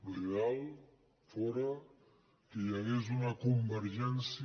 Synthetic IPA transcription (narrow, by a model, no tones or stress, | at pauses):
rreal | fɔɾɐ | ijaɣezunakumbəɾʒɛns